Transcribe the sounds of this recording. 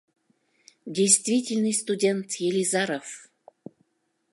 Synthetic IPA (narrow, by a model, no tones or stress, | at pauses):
dʲejst̪vʲitʲɪlʲnɨjst̪udʲent̪jelʲizɑɾof